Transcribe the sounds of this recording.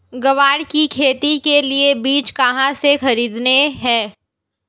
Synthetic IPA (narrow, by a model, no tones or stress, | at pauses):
ɡɐʋaːɽkikʰeːt̪ikeliebiːt͡ʃkɐɦãsexɐɾiːd̪neɦɛ̃ː